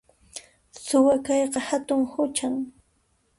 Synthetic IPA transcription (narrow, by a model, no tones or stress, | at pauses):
sʊwakɑjqɑhat̪ʊŋhʊt͡ʃaŋ